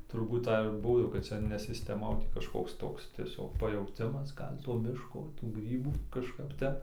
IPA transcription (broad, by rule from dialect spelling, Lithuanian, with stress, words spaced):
tʊrˈbuːt ˈtɐɪ ɪr ˈbuɔ jɛʊ kɐt ˈt͡sɐ nʲɛ sʲɪsʲtʲɛˈmɐ oː tʲiː kɐʃˈkoːks ˈtoːks tʲiɛˈsʲoːk pɐjɛʊˈtʲɪmɐs ˈɡɐlʲ toː ˈmʲɪʃkoː tuː ˈɡrʲiːbuː kɐʃˈkɐp ˈtʲɛp